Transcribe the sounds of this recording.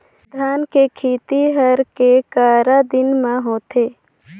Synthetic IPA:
d̪ʱaːnkekʰiːt̪iɦəɾkekaːɾad̪ɪnmãɦoːt̪eː

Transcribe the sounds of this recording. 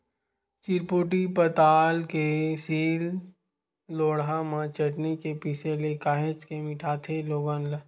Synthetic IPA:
t͡ʃiɾpoːʈ̬ipət̪aːlkesiːlː | oːɽɦamãt͡ʃɐʈnekepiːselekaːɦet͡ʃkemɪʈʰaːt̪ʰeloːɡanla

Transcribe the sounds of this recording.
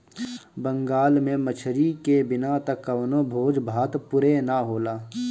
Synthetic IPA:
bə̃ŋɡaːlmẽmət͡ʃʰɾikebɪnat̪ɐkːɐʋnõbʱoːd͡ʒbʱaːt̪pʊɾenaɦoːlaː

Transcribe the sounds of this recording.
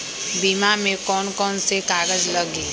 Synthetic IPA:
biːmamẽkɔːnkɔːnsekaːɡəd͡ʒləɡi

